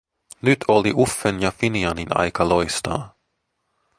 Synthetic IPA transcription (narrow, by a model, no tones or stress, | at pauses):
nʉt̪ʰoliʔufːɛnjɑfiniɑninɑ̰jkɑlojst̪ɑ̰ː